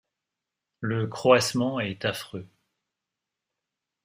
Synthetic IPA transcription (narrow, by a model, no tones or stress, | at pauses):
ləkχwasmɑ̃ɛt̪afχø